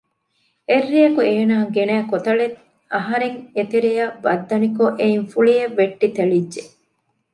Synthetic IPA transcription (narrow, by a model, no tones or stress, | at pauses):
erːijɐkueːnaːɡenæːkot̪ɐɭet̪ | ɐɦɐɾeŋet̪eɾejɐʋɐd̪ːɐnikoʔeinfuɭieʋːeʈːit̪eɭidːe